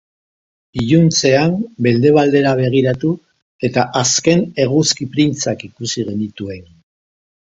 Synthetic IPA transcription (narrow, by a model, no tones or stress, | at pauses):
iʎunt͡se̞ambe̞ld̪e̞β̞ald̪e̞ɾaβ̞e̞ɣ̞iɾat̪u | e̞t̪aʔaske̞ne̞ɣuskipɾint͡sakikusiɣe̞nit̪ue̞n